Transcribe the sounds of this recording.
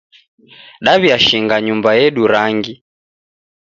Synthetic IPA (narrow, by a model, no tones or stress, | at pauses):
ɗaβiaʃiŋɡaɲumbajɛɗuɾaŋɡi